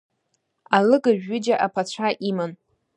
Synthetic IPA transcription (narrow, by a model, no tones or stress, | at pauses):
alɨɡaʒᶣːɪd͡ʒaʔapʰat͡ɕʷʰaʔiman